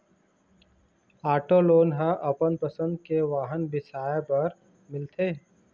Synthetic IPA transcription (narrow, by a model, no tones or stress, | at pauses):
aːʈoloːnɦãʔɐpənpɐsə̃nd̪keʋaːɦənbɪsaːebɐɾ | mɪlt̪ʰeː